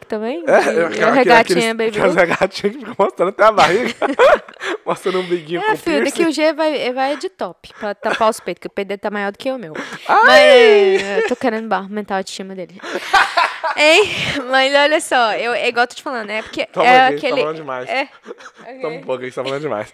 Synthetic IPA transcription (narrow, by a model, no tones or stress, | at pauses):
kɪ̥t̪ɐ̃mbẽj̃ɛewaʃkɛheɡat͡ʃeĩɐbebɛheɡat͡ʃĩɐkɪfikɐmost̪ɾɐ̃nat̪ɛabahiɡɐ | most̪ɾɐ̃nũbiɡĩɲɛfiɐkɪʊʒevajevajd͡ʒɪt̪ɔpɪ̥pɾɐt̪apawspejt̪ʊ̥kɪʊped̪et̪amajɔɾd̪ʊkɪeʊmewamɐ | ewt̪owkeɾẽnd̪ʊbaɦʊmẽnt̪awɐʃt͡ʃĩmɐd̪elɪ | emɐzɔʎɐsɔewɛiɡɔwet̪od͡ʒt͡ʃɪfalɐ̃nd̪̃ɛpʊkeɛakelaɪalɐ̃d̪d͡ʒɪmajsɛ | ok̪m̃pokist̪afalɐ̃nʊd͡ʒɪma̰js